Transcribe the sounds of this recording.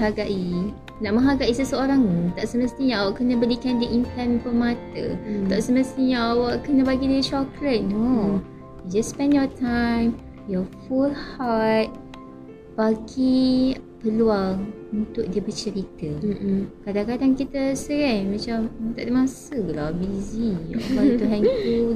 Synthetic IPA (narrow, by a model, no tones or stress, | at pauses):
ɦaɡaʔi | naʔməɦaɡaʔisəsəoɾaŋt̪aʔsəməst̪iɲãʔawaʔkənə̃bəlikandəʔinflɛnpəmat̪ə̰t̪aʔsəməst̪iɲãawaʔkənə̃baɡidiəʃɔkɾət̪̚no | jud͡ʒaspɛ̃njɔtʰãjm | jɔfulhat̚ | b̥aɡipəlual | unt̪ʊk̚diəbət͡ʃəɾit̪əkadakadaŋkit̪əsəɾamat͡ʃamt̪a̰ʔdamãsəbəlawbiziɔ̰kat̪uɦɛnkul